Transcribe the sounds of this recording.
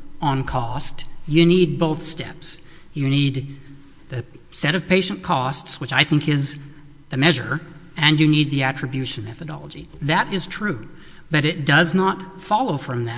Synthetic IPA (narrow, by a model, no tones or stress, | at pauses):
ə̃nkʰɔstjɨnid̚boʊθstɛ̰ps | jɨnid̪̚ | ðɨ | sɛɾʌv̥pʰeɪʃɨ̃n̩kʰɔstswɨt͡ʃaɪθɪ̃ŋkɪz | ðɨmɛʒə˞ | ɨ̃njɨnid̪̚ðiæt͡ʃɹ̥ɨbjʉʃn̩mɛθɨɾɑ̰lˠəd͡ʒḭðɨɾɪz̥tʰɹ̥ʉ | b̥ʌɾɨt̚d̥ʌznət | fɑlˠoʊfɹʌ̃mðɨ